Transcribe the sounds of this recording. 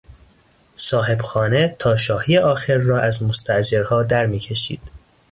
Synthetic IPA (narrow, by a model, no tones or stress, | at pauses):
sɒːɦe̞b̥xɒːnet̪ʰɒːʃɒːhijeʔɒːxeɾːɒːʔæzmost̪ʰæʔd͡ʒeɾhɒːd̪æɾmiːcʰe̞ʃḭːd̪̥